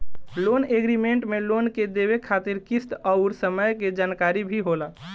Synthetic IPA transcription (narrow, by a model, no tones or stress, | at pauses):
loːneɡɾimẽɳʈmẽloːnked̪eːwekʰaːt̪ɪɾkɪst̪ɔʊɾsəməjked͡ʒaːnkaːɾibʱiɦoːlaː